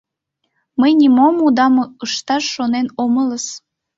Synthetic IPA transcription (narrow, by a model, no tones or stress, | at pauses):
məjnʲimomud̪ɑməʃt̪ɑʃːonenomələs